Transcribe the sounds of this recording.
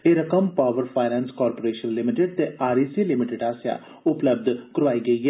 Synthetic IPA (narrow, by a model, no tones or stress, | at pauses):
eːɾɐkəmpaːʋəɾpʰaːɪnɛ̃ːnskɔːɾpoːɾeːʃənlɪmɪʈeɖ̚t̪eaːɾiːsiːlɪmɪʈɪɖaːsja̰ː | ʊpləbd̪ʱkəɾʋaːiɡɐiɦɛː